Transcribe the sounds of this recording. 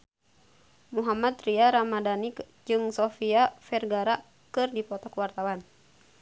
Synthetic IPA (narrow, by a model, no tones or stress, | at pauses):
muɦamat̪ɾiaɾamadanik | d͡ʒɨŋsɔfiafɛrɡaɾa | kɨrdipɔt̪ɔkwart̪awan